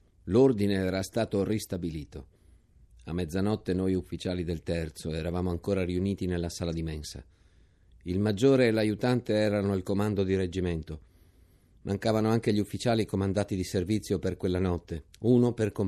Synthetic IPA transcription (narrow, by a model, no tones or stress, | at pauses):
lord̪ineɛːɾast̪aːt̪orist̪abiliːt̪o̰ | a̰mːɛd̪zanɔt̪ːenojufːit͡ʃaːlid̪elt̪ɛrt̪soɛɾavaːmoaŋkoːɾariuniːt̪inelːasaːlad̪imɛnsa̰ | ilmad͡ʒːoːɾeːlajut̪ant̪eɛːɾanoalkomand̪od̪iɾed͡ʒiment̪o | mʔaŋkaːvanoaŋk̟eʎiufːit͡ʃaːlikomand̪aːt̪id̪iservit̪sːjoperkwelːanɔt̪ːeuːnoperkom